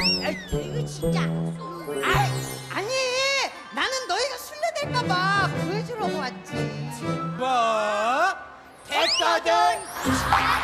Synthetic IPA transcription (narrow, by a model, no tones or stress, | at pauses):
ɡɯɕit͡ɕ͈a | aaɲi | nanɯnːʌiɡasʰuɭːedweɭk͈amakued͡ʑɯɾʌɡoat̚t͡ɕ͈i | bʌ | tesade